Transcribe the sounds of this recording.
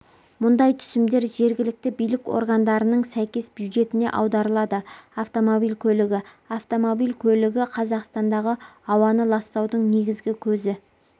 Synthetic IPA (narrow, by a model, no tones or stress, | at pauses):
mʊnd̪ɑjt̪ʰʏ̥sɪmd̪e̞ɾʒe̞ɾɡʲɪlɪk̚t̪ɪbijlɪko̞̰ɾɡɑnd̪ɑɾənəɴsæjkʲe̞sbjud̪ʒe̞t̪ɪne̞ʔɑ̰wd̪ɑɾəlˠɑd̪əaft̪o̞mo̞bilkʲʰɵlɪɡʲɪ | aft̪o̞mo̞bilkʲʰɵlɪɡʲɪqʰɑzɑqst̪ɑnd̪ɑʁəɑwɑnəlˠɑst̪ɑwd̪əɴne̞ɡʲɪzɡʲɪkʲʰɵzɪ